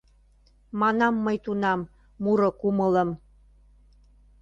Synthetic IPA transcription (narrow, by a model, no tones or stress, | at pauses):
mɑnɑmːəjt̪unɑmː | uɾokumə̆lə̆m